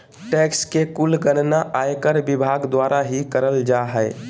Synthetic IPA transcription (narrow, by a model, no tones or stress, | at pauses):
ʈɛkskekulɡənnaʔajkəɾbibʱaɡd̪waɾʔaɦikəɾəld͡ʒaɦəɪ